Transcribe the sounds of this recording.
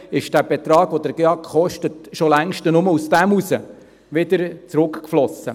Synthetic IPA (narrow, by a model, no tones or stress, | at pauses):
ɪʃd̥æb̥ɛt̪ɾɑːɡ̥ʋodəɾɡ̥eɑkχɔʃtətʃolæŋʃtənʊməusd̥æmusə | ʋɪdəɾt͡sɾʊkkflɔsːə̰